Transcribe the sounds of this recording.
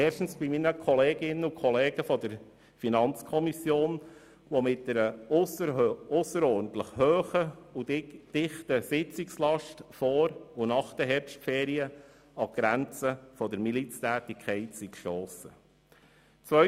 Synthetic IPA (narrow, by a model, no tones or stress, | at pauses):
ɛːʃtn̩sb̥iminəkʰɔleːɡɪnːəukʰɔleːɡ̥əfɔdəɾ | finɑnt͡skʰɔmisjoːn | ʋɔmɪt̚dɛɾəsəʊsəɾɔːɾn̩tləχhøːχəuɪd̥ɪχtəsɪt͡sɪkslɑʃtfɔːɾunɑχd̥əɦɛɾpʃtfɛːɾiə | ɑɡ̥ɾænt͡səfɔdəɾmilit͡stæːtikʰɛɪtsikʃtoːsə | t͡sʋœ